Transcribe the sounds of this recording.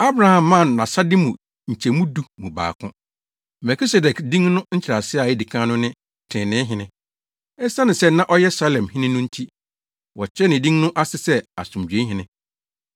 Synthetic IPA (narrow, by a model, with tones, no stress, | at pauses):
a˦bɾa˨hã˨mːã˦˨m˨nã˨sa˦dɪ˦mũ˨ | ɲ̩˨t͡ɕʰɛ˨mũ˦du˦mũ˨ba̰ː˨kʰʊ̃˦ | mɛ˨kʰi˦sɛ˨dɛ˨kdĩ˦ŋnʊ̃˦ɲ̩˦t͡ɕʰɾa˨sɪ˦a˨jɪ˦di˨kʰã˦nʊ̃˦nɪ̃˦ | tʰɪ̃˨nɪ̃˨˦ɦɪ̃˨nɪ̃˦ | ɛ˦sã˦nɪ̃˨sɛ˦nã˦ʔɔ˦jɛ˦sa˦lɛ̃˨mhɪ̃˦nɪ̃˦nʊ̃˦n̩˦tʰi˦ | wɔ˨t͡ɕʰᶣɛ˦nɪ̃˨dĩ˦ŋnʊ̃˦ʔa˦sɪ˨sɛ˦a˨sʊ̃˨md͡ʑᶣɥẽ˦ɦɪ̃˦nɪ̃˦